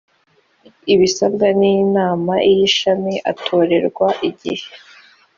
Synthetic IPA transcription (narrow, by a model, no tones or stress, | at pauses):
iβisab̚ɡanijinaːmaʔjiʃamiʔa̰tʰo̞ɾe̞ɾɡwaʔiɟḭhe